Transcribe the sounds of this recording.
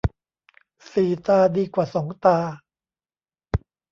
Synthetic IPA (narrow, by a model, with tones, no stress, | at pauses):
siː˨˩t̪aː˧diː˧kwaː˨˩sɔː˩˦ŋt̪aː˧